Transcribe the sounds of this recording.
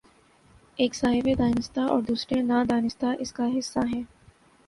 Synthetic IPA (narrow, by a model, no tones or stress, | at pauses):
eːksaːɦɪbed̪aːnɪst̪aʔɔ̰ːɾd̪uːsɾenad̪aːnɪst̪aʔɪskaɦɪsːaɦɛː